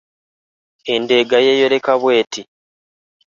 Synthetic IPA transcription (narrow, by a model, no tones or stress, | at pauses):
ende̞ɡajejo̞ɾe̞kaβwe̞ːti